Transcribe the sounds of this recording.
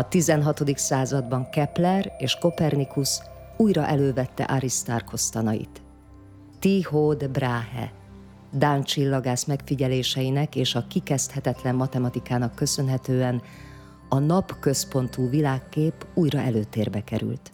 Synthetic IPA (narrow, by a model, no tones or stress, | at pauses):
ɒt̪izɛnɦɒt̪o̞d̪iksaːzɒd̪bɒŋkɛplɛreːʃko̞pɛrnikus | uːjɾɒʔɛløːvɛt̪ːɛ̰ʔaɾist̪arkʰo̞st̪ɒnɒjḭt̪ː | ihod̪braːɦɛ̰ | d̪ant͡ʃilːɒɡaːsmɛkfiɟɛleːʃɛjinɛkeːʃɒkikɛst̪hɛt̪ɛt̪lɛmːɒt̪ɛmɒt̪ikaːnɒkːøsø̞nɦɛt̪øːɛn | ɒnɒpkø̞spo̞nt̪uːvilaːkːeːpuːjrɒʔɛløːt̪eːrbɛkɛ̰ɾy̰lt̪